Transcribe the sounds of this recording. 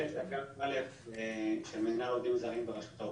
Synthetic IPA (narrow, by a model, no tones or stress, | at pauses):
ezkaalefeʃelmedinalovd̪imzaʁimbeʁaʃut̪a